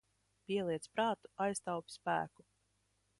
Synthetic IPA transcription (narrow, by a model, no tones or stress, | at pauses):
pʲiɛlˠiɛt̪spɾaːt̪u̥ajst̪awpʲspæ̰ːku